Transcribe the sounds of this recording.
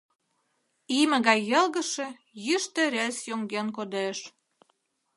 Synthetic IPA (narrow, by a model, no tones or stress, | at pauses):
imə̆ɣɑjːəlɣə̆ʃĕ | jyʃt̪ə̆ɾelsjoŋɡenkod̪eʃ